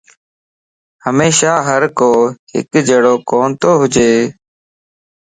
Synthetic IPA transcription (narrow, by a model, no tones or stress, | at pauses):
həmeːʃaːɦəɾkoːɦɪ̰kd͡ʒeːɽoːkoːnt̪oːɦʊd͡ʒeː